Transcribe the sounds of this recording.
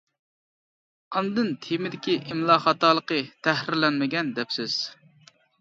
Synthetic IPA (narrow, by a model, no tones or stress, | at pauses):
ɑnd̪ɨnt̪ʰemɪd̪ɪkʲiʔɪmlˠɑχɑt̪ɑːlˠəqət̪ʰæhɾɪɾlɛnmɪɡʲɛnd̪ɛpsɪz̥